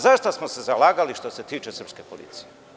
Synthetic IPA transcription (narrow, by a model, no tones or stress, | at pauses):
zaʃt̪osmosezalaːɡaliʃt̪o̞se̞t̪iːt͡ʃesər̩pskepolḭːt̪sije